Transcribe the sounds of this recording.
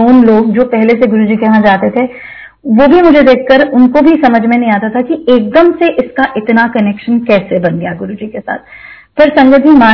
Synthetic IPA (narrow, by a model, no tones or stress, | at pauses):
oːnloːɡd͡ʒoːpɛɦleseɡʊɾud͡ʒikeɦãd͡ʒaːt̪et̪ʰe | ʋobʱimʊd͡ʒʱed̪eːkʰːɐɾʊnkobʱisɐməd͡ʒʱmẽnɐɦĩaːt̪at̪ʰakieːk̚d̪əmseʔɪskaʔɪt̪nakɐneːkʃənkɛːsebɐnɡɐjaɡʊɾud͡ʒikesa̰ːt̪̚ʰ | pɐɾsɐ̃ŋɡət̪imaː